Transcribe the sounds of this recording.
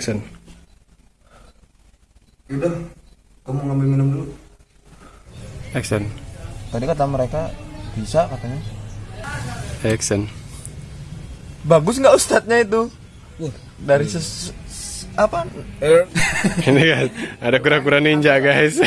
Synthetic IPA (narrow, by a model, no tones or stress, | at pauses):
ksɛn | idah | kɔmoŋamalminumunu | ɛksɛnt̪adikat̪aməɾekabisakat̪aɲa | ɛksɛn | baɡʊs̬ŋɡaʔust̪at̪̚ɲait̪u | daɾisə | apa | iniɡasadakuɾakuɾaniɲd͡ʒaɡais